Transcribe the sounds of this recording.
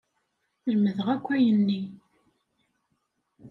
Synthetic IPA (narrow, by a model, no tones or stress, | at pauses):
lməðəʁækʷːæjənːi